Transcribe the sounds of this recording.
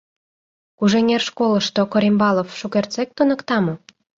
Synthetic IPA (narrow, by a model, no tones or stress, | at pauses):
kuʒeŋʲerʃkoləʃt̪okoɾimbɑlofʃukert͡sek̚t̪unə̆kt̪ɑmo